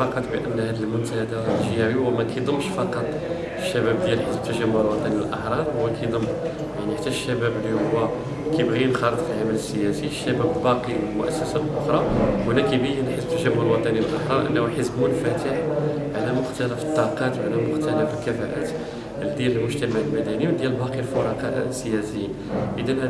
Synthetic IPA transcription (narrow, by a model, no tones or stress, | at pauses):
ɑqɑt̪ˤbəʔə̰nːhæd̪əlmʊnt̪æhd̪aəlʒəæwiwæmækæjd̪ˤəmːʃfɑqɑt̪ˤ | əʃːæbæb̚d̪jælħəsb̚t̪ːæʒæmːʊɾlwɑt̪ˤɑnilʔɑħɾˤɑɾˤwækæjd̪ˤəmː | jaʕniħat̪ːæʃːæbæblihʊwːæ | kæjbɣinxɑɾˤət̪ˤfilʕamæləsːəjæsiəʃːæbæbbɑqiwəlmʊʔæsːæsælʔʊxɾˤɑwnækæbijnħəsb̚t̪ːæʒæmːʊɾəlwɑt̪ˤɑniəlʔɑħɾˤɑɾˤʔə̰lːæuħəzbulfæt̪əħ | ʕalæmʊxt̪æləfə̥t̪ˤːɑqɑt̪wʕalæmʊxt̪æləfəlkæfæʔæ̰t̪ | d̪jæləlmʊʒt̪æmaʕəlmæd̪æniwd̪jæləlbɑqilfoɾˤɑqɑ̰sːəjæsəjin | ʔəd̪ænhæ